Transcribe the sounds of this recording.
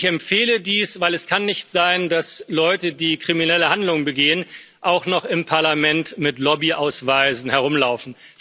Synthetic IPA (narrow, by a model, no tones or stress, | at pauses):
çɛmfeːlədiːsv̥aɪlɛskʰanːɪçtz̥aɪndaslɔʏtədiːkʁ̥iminɛləhandlʊŋənbəɡeːən | ʔaʊxnɔχɪmpʰaɐlamɛntmɪtlɔbiʔaʊsv̥aɪzn̩hɛɐʁʊmlaʊfn̩